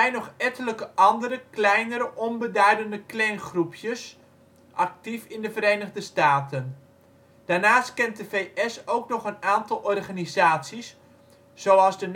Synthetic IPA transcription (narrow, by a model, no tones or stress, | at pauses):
ɛjnɔχɛtələkəʔɑndəɾəklɛjnəɾəʔɔnbədœɥdəndəklɛnχrupʰjəs | ʔɑk̚tifɪndəvəɾejnəʁdəstaːtən | d̥aːɹnaːstkɛnt̚dəvejʔɛsowknɔχənaːntɑlˠʔɔrχaːnizaːtsis | z̥owɑlˠzdən